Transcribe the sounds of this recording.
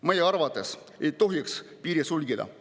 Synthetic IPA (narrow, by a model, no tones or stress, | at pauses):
mɤjeɑɾvɑt̪ːˑes | et̪o̞ɦjekspiːɾjesulɡid̪ɑ̰